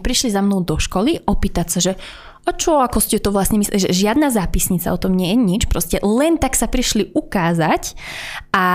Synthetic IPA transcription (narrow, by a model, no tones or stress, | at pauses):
pɾiʃlizamnɔʊd̪ɔʃkɔliʔɔpiːt̪acsaʒɛ | at͡ʃɔakɔscɛt̪ɔʋlasɲɛmislɛʒɛ̰ʒɪad̪nazaːpisɲit͡sa̰ɔt̪ɔmɲɪɛjɛɲit͡ʃpɾɔscɛlɛnt̪aksapɾiʃliʔukaːzac | ʔa